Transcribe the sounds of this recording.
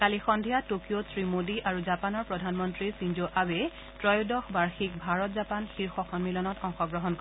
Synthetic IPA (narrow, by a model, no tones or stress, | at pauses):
kalixɔndʱijatokiosɹimodiʔaɹuzapanɔɹpɹɔdʱanmɔntɹisind͡ʒoʔawɛ | tɹɔjodɔxbaɹxikbʱaɹɔtzapanxiɹxɔxʰɔnmilɔnɔtɔŋxɔɡɹɔɦɔnkɔ